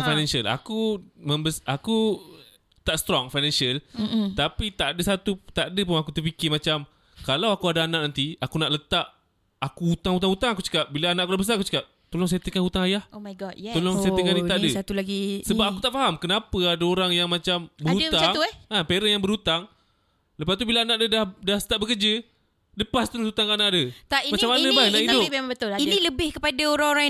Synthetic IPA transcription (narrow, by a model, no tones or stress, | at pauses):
fajnɛ̃nsəla̰kumə̃mbəsʔaku | t̪aʔst̪ɾɔŋfajnɛ̃nsəlt̪apit̪aʔadəsat̪ut̪aʔadəpʊnakut̪ərpikɪmat͡ʃam | kalawakuadaanaʔnant̪iakunaʔlət̪aʔ | akuut̪aŋut̪̬aŋut̪aŋakut͡ʃə̥kap̚bilaanaʔakunabəs̬aakut͡ʃə̥kap̚t̪olʊŋs̬et̪ekanut̪aŋajahomajɡɔt̚jt̪oloŋseekanit̪aʔdəsat̪ulaɡisəbap̚akut̪aʔfaɦamkənapəadaoɾaŋjaŋmat͡ʃambəut̪aaŋuapeɾəjaŋbəɾut̪aŋ | ləpast̪ubilaːnaʔdədahdahsə̥t̪aʔbəkəd͡ʒə | dəpast̪əɾʊsut̪aŋkaanaʔdət̪aimat͡ʃamːanə̃bahnaʔidʊbabət̪ʊliniləbɪhkəpadaoɾaŋoɾaŋ